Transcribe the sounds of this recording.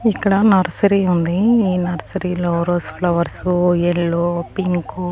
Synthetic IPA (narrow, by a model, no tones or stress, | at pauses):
ikːɐɽɐnɐɾsɐɾiːund̪iiːnɐɾsɐɾiːloːɾoːsplɐʋɐɾsujeɭːoːpiŋku